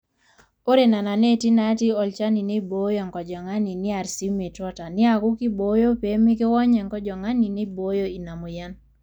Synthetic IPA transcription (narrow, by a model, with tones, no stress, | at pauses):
o˦ɾe˨na˨na˨ne˦ti˦na˨˦ti˦ɔ˨lt͡ʃa˦ni˨ne˦bo˨˦jɔ˨ŋkɔ˨d͡ʒɔ˨ŋa˦ni˨nɪ˦a˨ɾsi˦me˨tɔ˦ta˨nɪ˦a˨ku˦ki˦bo˦jo˦pe˨˦mi˦ke˦wɔ˦ɲɛ˨ŋkɔ˦d͡ʒɔ˨ŋa˦ni˨ne˦bo˦jo˦i˨na˨mo˨ja˦n